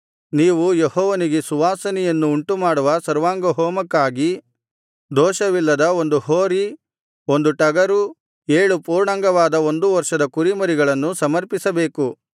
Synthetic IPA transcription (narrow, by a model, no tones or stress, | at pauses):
niːʋujehɔːʋɐniɡesuʋaːsɐnɛjɐnːuːɳʈumaːɽuʋɐsɐɾʋaːŋɡɐɦɔːmɐkːaːɡi | d̪ɔːʃɐʋilːɐd̪ɐo̞nd̪uhoːɾi | o̞nd̪uʈɐɡɐɾu | eːɭupuːɾɳaŋɡɐʋaːd̪ɐo̞nd̪uʋɐɾʂɐd̪ɐkuɾimɐɾiɡɐɭɐnːusɐmɐɾpisɐbe̞ːku